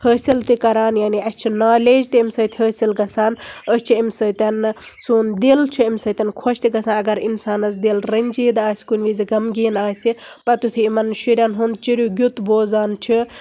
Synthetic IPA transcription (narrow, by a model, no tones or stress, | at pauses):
həːsilt̪ikɐɾaːnjaːniɐst͡ʃʰinaːleːd͡ʒt̪iimʲsəːt̪ʰʲɦəːsilɡɐsaːnəst͡ʃʰiimʲsəːt̪ʲɐn | suːnd̪ilt͡ʃʰiimʲsət̪ʲɐnkʰoʃt̪iɡɐsãːnɐɡɐɾinsaːnɐzd̪ilɾɐnd͡ʒiːd̪aːsʲkunʲʋiziɡɐmɡiːnaːsʲipɐt̪ut̪ʰiimɐnʃiɾʲɐnɦund̪̚t͡ʃiɾʲuɡʲut̪boːzaːnt͡ʃʰi